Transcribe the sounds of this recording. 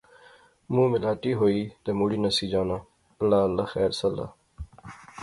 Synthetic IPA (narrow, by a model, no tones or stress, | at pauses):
mũːmɪlaːʈiːɦoːiːt̪emuːɽiːnəsiːd͡ʒaːnaː | əlːaːəlːaːxɛːɾsəlːa̰ː